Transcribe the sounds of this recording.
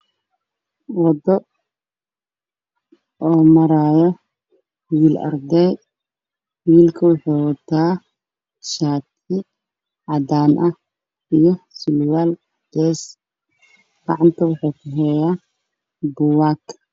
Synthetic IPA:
wɑd̪ɔ | ɔːmɐɾaːjɐ | wiːlɐ̰rd̪ɛj | wiːlkʰɐwɑħɑjwɐt̪ʰaː | ʃaːt̪ʰɪ | ʕɑd̪aːnʔɐ | ijɞsɪlwaːl | ɡ̥ɛːs | ɡ̥ɑʕɑnt̪ʰɐwɑħɑːkʰʊɦɛjaː | bʊwaːkʰ

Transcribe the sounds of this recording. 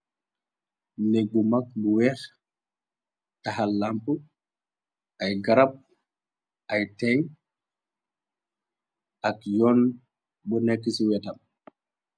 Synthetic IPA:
leɡumak̚buwɛx | taɦalampu | ajɡaɾap̚ | ʔajtɛŋ | akjɔn | bɔnɛkːisiwɛtam

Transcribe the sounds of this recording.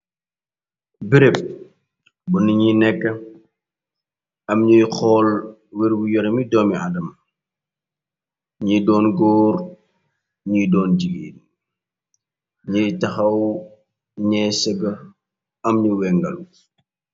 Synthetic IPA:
biɾep̚ | bɐniɲinɛkːɐ | ɐmɲəjxɔːlwɛɾwujɔɾɐmidɔːmiʔa̰dɐmɐ | ɲidɔːnɡɔːr | ɲijdɔːnɟiɡḛːn | ɲəjtɐxɐw | ɲɛsɛɡɐ | ɐmɲuwɛŋɡɐ̰lu

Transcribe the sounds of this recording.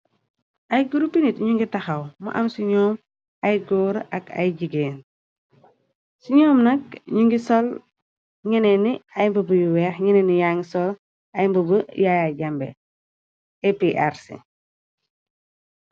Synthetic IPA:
ʔɐjɡuɾupinitɲuŋɡitɐxɐwmɐ̰ʔɐmsiɲɔːm | ɐjɡɔːɾɐ̰kɐ̰jɟiɡeːn | siɲɔːmnɐk̚ɲuŋɡisɔl | ɲɛnɛniɐjmbəbəjuwɛːxɲɛnɛnijaŋsɔl | ɐjmbɐbəjajaɟɐmbɛ̰ | epeʔaɾsḭ

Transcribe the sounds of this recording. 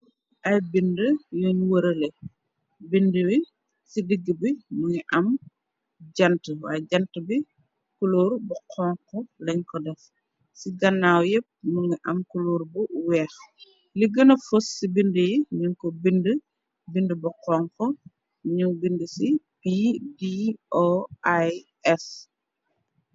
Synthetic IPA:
ʔɐjbindəjɔnwəɾɐlɛ | bindəwi | sidiɡːəbimuŋiʔɐm | ɟɐntəwa̰ːjɟɐntəbi | kuloːɾbɐqʰɔːŋkɔlɛɲkɔdɛf | siɡɐnːaːwjɛp̚muŋiʔɐmkuloːɾbuwɛːx | liɡənɐfosːibindəjiɲuɲkɔbində | bindəbɐqɔŋkɔ | ɲubindəsipidioaj | ɛs

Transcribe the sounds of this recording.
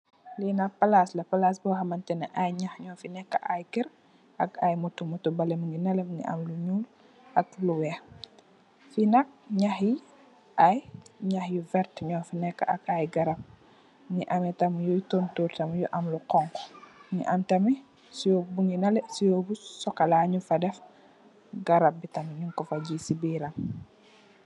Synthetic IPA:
linɐpɐlaslɐpɐlaːsbɔxɐmɐntɛnɐʔajɲɐxɲɔːfinɛkːɐʔajkiɾ | ʔɐkajmutumutːubɐlɛmuŋɡinɐlɛbŋḭʔɐ̰mluɲuːl | ʔɐk̚luwɛx | finɐk̚ɲɐxji | ʔajɲaxjuvɛɾtɲɔːfinɛkːa̰ʔɐkajɡaɾap̚ | ŋiʔɐmitɐmjujtontuːɾtɐmjuʔɐmluqɔŋkŋḭʔɐmtɐmi | sijobuŋɡinɐlɛsijoːbusɔkɐlaɲufɐdɛf | ɡɐɾɐp̚bitɐmɲuŋkɔfɐɟisibiːɾɐm

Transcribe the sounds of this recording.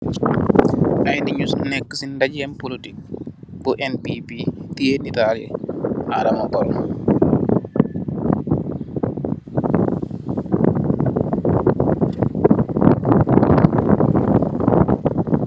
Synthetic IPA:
ʔajniɲusnɛkːəsindad͡ʒɛnpolitik̚buʔɛnpipitijenitalɛ̰ʔaɾamabɔl

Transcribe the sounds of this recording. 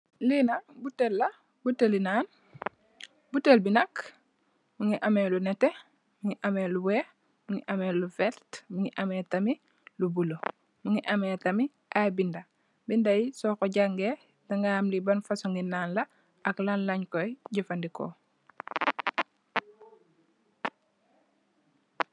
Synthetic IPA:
linabutːelːɐ | butːelinaːn | butelbinɐk | muŋiʔɐmelunɛte | muŋiʔameluweː | muŋiʔɐmelufɛltmuŋiʔametami | lubulo | muŋiʔɐmetɐmi | ʔabinda | bindajisɔːkɔɟaŋɡe | daŋɡaːmlibɐnfasuŋɡinaːnlɐ | ʔaklanlɐɲkojɟufandiko̰

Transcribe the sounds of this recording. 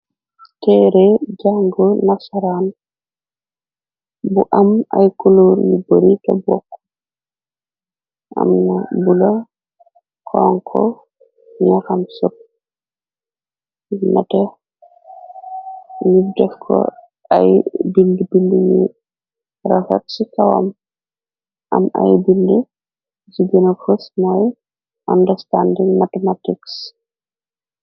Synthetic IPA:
tɛɾɛd͡ʒaŋɡɔnasaɾan | buʔama̰jkuluɾniboɾita̰bwɔkː | ʔa̰mnabula | kʰɔŋkʰɔ̰ | ɲaxamsop̚ | nɐtɛ | nib̚dɛfkʰɔ̰ | ɐ̰jbildibildiɲi | ɾɐfɐ̰t̚sikɐwɐ̰m | ʔɐ̰ma̰jbildi | d͡ʒiɡənɐfusmɔj | ʔandɐstandiŋmatɛmatiks

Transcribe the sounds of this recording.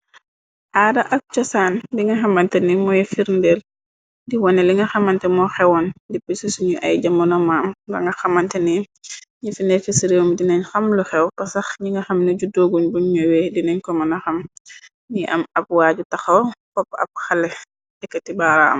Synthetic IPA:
ʔaːdɐʔɐk̚t͡ʃɐsaːndiŋɡɐxɐmɐntɛnimɔjfiɾndɛl | diwɔnɛliŋɡɐxɐmɐntɛmɔxɛwɔndipisisuɲuʔɐ̰jɟamɐnɔmaːmɡɐ̰ŋɡɐxɐmɐntɛni | ɲifindɛlfisiɾiwmdinɛɲxɐmluxɛwpɐsɐxɲiŋɡɐxɐmniɟudoːɡunbuɲɲɔwɛdinɛɲkɔmɐnɐxɐm | niʔɐ̰mɐb̚waːɟutɐxɐwkɔpːɐ̰p̚xɐlɛ | dɛkːɐtibaɾaɐ̰m

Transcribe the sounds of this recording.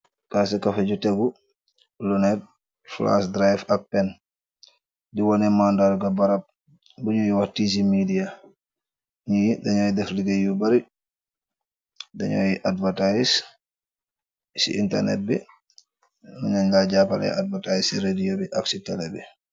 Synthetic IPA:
kasɛkafɛɟutɛɡu | lunɛt̚ | fla̰sdɾajfak̚pɛn | diwɔnɛmandalɡabaɾap̚ | buɲujiwahtis̬imidia | ɲidɛɲɔjdɛfliɡajubaɾi | dɛɲɔ̰jiʔadvatajis | sḭḭntɛ̰ɾnɛ̰t̚bi | nuɲaɲɡaɟapala̰jḭadvatajisiɾedijobiʔaksitɛlɛbɛ

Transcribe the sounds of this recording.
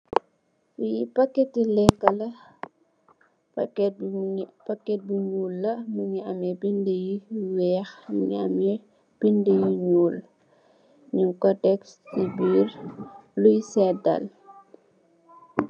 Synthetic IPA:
fujipɐkːɛtilɛkːɐlɐ | pɐkːɛt̚buɲuːlːɐmuɲiɐmɛbindjiwɛːxmḭŋm | b̥indejiɲuːl | ɲuŋkɔdɛkstibiːrlujsɛdɐ̰l

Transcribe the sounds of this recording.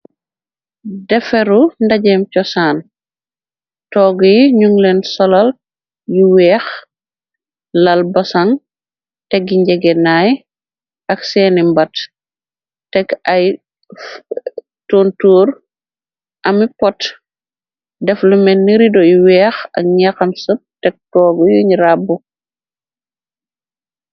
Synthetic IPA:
dɛfɛɾundaɟɛmcɔsaːn | tɔːɡjiɲuŋlɛnsɔlɐl | jiwɛːx | lɐlbɐsaŋ | tɛɡiɲɟɛɡɛnaːj | ʔɐksɛːnimbɐt | tɛkɐj | toːntuːɾ | ʔɐmipɔt | dɛflumɛnːiɾidɔjiwɛːxɐ̰k̚ɲaxɐmsəp̚tɛk̚tɔːɡɔjuɲiɾabu

